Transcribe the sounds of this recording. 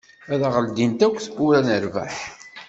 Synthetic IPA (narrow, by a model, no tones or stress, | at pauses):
æðaʁəld̪int̪ækʷːθʊɾænəɾvæ̰ħ